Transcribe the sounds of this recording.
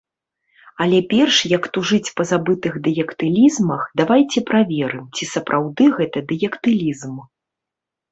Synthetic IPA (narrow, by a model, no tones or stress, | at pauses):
ɐlʲɛpʲɛrʂjɐkt̪uʐɨt͡sʲpɐzabɨt̪ɨɣd̪ɛjʲɛkt̪ɨlʲizmɐxd̪avajt͡sʲɛpɾavʲɛɾɨmt͡sʲisɐpɾʔawd̪ɨɣɛt̪ɐd̪ɛjɛkt̪ɨlʲizm